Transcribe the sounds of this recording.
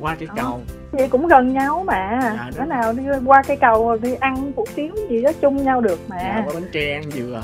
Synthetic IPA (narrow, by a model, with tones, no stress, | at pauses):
kwaː˧kaː˨˦jk | ɲḭ˧˨˩kʊ̰˧˥ŋ͡mɣə˨˩nɲa˧wma̰ː˧˨əː˨˦naː˨˩wɗi˧kwaː˧kaː˨˦jkə˨˩wo˨˩ɗi˧ʔa˧nfṵ˧˩t̪i˨˦əŋ͡mzi˨˩zɔ˨˦t͡ɕʊ˧ŋ͡mɲa˧wɗɨ˨˩ək̚ma̰ː˧˨˦nt͡ɕɛ˧˩˧nzɨ˨˩